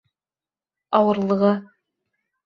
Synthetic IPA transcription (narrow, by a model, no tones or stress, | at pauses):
ɑwɤ̆ɾlˠɤ̆ʁɤ